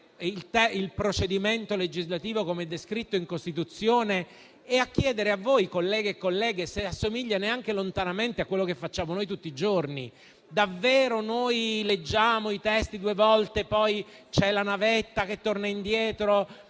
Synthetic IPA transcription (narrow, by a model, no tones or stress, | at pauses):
ilt̪ɛilpɾot͡ʃed̪iment̪oled͡ʒizlat̪iːvokomeɛd̪ːeskɾit̪ːoiŋkost̪it̪ut̪sːjoːne | ɛakːjɛːd̪eɾeavːoːjkolːɛːɡeːkːolːɛːɡeseasːomiʎːaneaŋk̟elont̪anament̪eakːwelːokefːat͡ʃːaːmonoːjt̪̬ut̪ːiːd͡ʒorni | d̪avːeːɾonojled͡ʒːaːmoit̪ɛst̪id̪uːevɔlt̪epɔj | t͡ʃɛlanavet̪ːak̟et̪ːornaind̪jɛːt̪ɾo